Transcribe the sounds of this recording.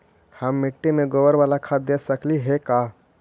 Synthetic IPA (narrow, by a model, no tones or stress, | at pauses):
həmːɪʈːemẽɡowəɾʋaːlakʰad̪esəkliɦeka